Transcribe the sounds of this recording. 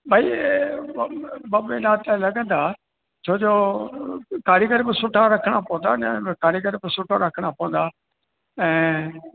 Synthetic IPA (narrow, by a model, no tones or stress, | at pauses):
bʱaːi | bɐbeɗaːt̪lɐɡə̃nd̪aː | t͡ɕʰoːd͡ʑoː | kaːɾjəɡəɾbɪsʊʈʰaɾɐkʰəɽ̃apɐʋə̃nd̪ankaːɾɪjəɡəɾbɪsʊʈʰaɾɐkʰəɽ̃apɐʋə̃nd̪aː | ɛ̃ː